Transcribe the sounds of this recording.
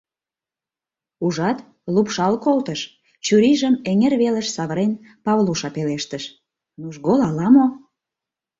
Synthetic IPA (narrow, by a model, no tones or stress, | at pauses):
uʒɑt̪ | lupʃɑlkolt̪əʃ | t͡ɕyɾiʒəmeŋerβelə̆ʃsɑβəɾen | pɑβluʃɑpeleʃt̪əʃ | nuʒɣolɑlɑmo